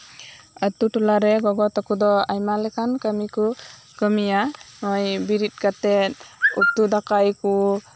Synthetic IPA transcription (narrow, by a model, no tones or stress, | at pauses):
at̪utulaɾɛɡɔɡɔt̪akud̪ɔajmalɛkʰankamiku | kəmijamɔjbiɾit̚ɡatetup̚t̪ud̪akajku